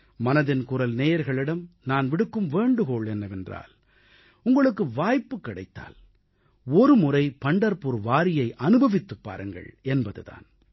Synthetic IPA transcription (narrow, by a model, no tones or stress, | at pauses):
mɐnɐðɪnkʊɾɐlneːjɐɾɣɐɭɪɽɐmnaːnʋɪɽɯkːɯmʋeːɳɖɯɣoːɭɛnːɐʋɛndra̰ːl | ʊŋɡɐɭɯkːɯʋaːjpːɯkːɪɽɐ̰ɪt̪ːa̰ːl | ɔɾɯmʊrɐɪpɐɳɖɐɾpuɾʋaːɾɪjɐɪʔɐnɯbɐʋɪt̪ːɯpːa̰ːɾɯŋɡɐ̰ɭɛnbɐðɯ̰ða̰ːn